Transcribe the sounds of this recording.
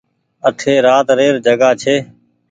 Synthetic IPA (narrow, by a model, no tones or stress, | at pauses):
ət̪ʰeːɾaːt̪ɾeːɾd͡ʒəɡaːt͡ʃʰeː